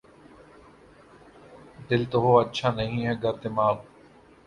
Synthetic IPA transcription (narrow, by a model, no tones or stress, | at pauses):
d̪ɪlt̪oɦoːətːʃʰaːnəɦĩːɦɛːɡəɾt̪emaːl